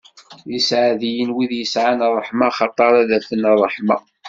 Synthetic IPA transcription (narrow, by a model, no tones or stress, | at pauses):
jəsʕaðijənwiðjəsʕanrˤːəħmɑχɑt̪ˤːɑɾˤæðæfənrˤːəħmɑ